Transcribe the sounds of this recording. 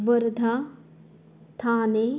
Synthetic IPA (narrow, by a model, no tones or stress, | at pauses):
ʋəɾd̪ʱa | t̪ʰaːne